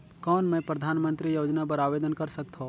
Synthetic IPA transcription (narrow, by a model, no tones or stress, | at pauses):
kɔːnmɛ̃ːpɾɐd̪ʱaːnmə̃nt̪ɾijoːd͡ʒnap̬ɐɾaːʋeːd̪ənkɐɾsɐk̚t̪ɦõː